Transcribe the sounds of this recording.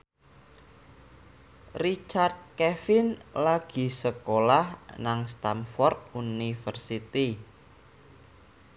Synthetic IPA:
rit͡ʃard̪̚kɛfɪnlaɡ̥i̤səkolahnaŋst̪amfɔrt̪̚unifərsit̪i

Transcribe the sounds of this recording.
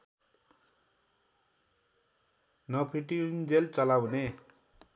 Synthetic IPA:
nʌpʰiʈind͡zelt͡sʌlawne

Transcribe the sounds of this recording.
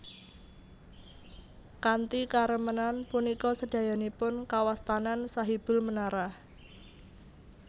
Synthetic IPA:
kant̪ikaɾəmənanpunikɔsəd̥ä̤janipʊnkawast̪anansaɦib̥ʊ̤lmənaɾah

